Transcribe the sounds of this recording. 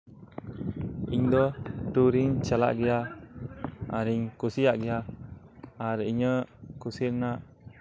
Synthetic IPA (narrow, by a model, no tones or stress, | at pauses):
iŋd̪ɔtuɾiŋt͡ʃala̰ʔɡija | aɾiŋkusijaʔɡia | aɾəiɲəkusiɾnaʔ